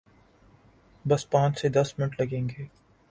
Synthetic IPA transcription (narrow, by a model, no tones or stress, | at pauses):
bɐspãːt͡ʃsed̪ɐsmɪnəʈlɐɡẽːŋɡeː